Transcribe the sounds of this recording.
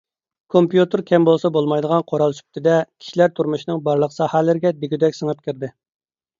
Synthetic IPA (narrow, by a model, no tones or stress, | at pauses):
kʰompjut̪ɨɾkʲʰɛmbolˠsɑbolˠmɑjd̪əʁɑnqʰoɾɑlˠsy̥p̚t̪ʰɪd̪ɛkʲʰi̥ʃilæɾt̪ʰuɾmuʃnɨŋbɑɾlˠəqsɑhælɪɾɪɡʲɛd̪ɪɡʲyd̪ɛkʲsəŋəp̚kʲʰɪɾd̪ɪ